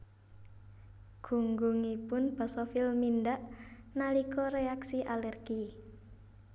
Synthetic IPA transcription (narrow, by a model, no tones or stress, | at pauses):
ɡ̥ṳŋɡuŋipʊnb̥a̤sɔfɪlmind̪aʔnalikɔɾeaksiʔalɛrɡ̥i